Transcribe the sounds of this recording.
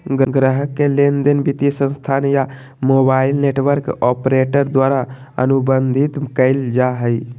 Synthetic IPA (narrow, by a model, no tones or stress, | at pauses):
ɡɡɾəɦəkːelend̪ənbit̪isə̃nst̪ʰaːnja | moːbaɪlneːʈʋəɾkɔpɾeʈəɾd̪waːɾaə̰nubənd̪ʱit̪kəɪld͡ʒaɦəj